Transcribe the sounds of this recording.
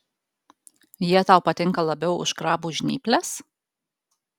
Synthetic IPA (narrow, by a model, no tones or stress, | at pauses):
jiɛt̪ɑˑʊpɐt̪ʲɪŋˑkɐlˠɐbʲɛʊʊ̰ʃkɾɑːbuːʒʲnʲḭːpʲlʲɛs